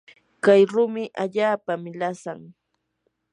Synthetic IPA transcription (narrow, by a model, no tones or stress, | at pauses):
kajɾʊmɪʔaʎaːpamɪlasaŋ